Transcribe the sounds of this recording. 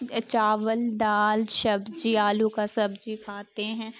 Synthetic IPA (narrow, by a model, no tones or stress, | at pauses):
t͡ʃaːʋəlɖ̪aːlʃɐbd͡ʒiaːlukasɐbd͡ʒikʰaːt̪eɦɛ̃ː